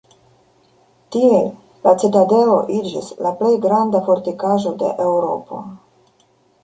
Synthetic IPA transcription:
tie | lat͡setade̞lo̞̰ʔid͡ʒḭslaple̞jɡɾand̪afo̞ɾt̪ikaʒo̞de̞̰ʔewɾo̞̰po̞̰

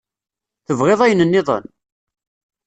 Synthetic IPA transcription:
θəvʁeðˤæjənənːɪðˤə̰n

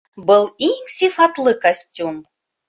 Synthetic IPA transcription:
bɨlˠiŋsʲifat̪lˠɨkasʲtʲum

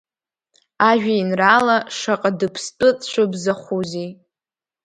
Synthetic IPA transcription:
aʒᶣainralaʂaqʼadɨpʰst͡pʼɨt͡sʼt͡ʃʷʰabzaχʷuzi

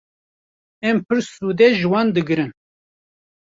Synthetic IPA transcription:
ɛmpʰɨɾsuːd̪ɛʒɨwɑːnd̪ɨɡɨɾɨn

